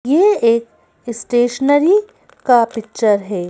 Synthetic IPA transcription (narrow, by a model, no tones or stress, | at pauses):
jeeːk | ɪsʈeːʃənəɾi | kapɪk̚t͡ʃəɾɦɛː